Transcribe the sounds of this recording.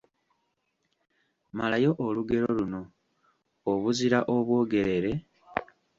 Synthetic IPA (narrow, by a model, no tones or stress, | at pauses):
malajo̞ʔoluɡe̞ɾoluno̞ː | βuziɾaʔo̞βwo̞ːɡe̞ɾe̞ɾe̞